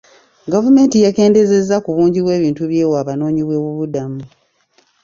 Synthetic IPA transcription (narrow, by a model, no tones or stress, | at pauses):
ɡavume̞ːntijake̞ːnde̞ze̞zakuβuːɲɟiβwe̞ːβiːntuβje̞ːwaːβano̞ːɲiβwe̞ːβuβudamu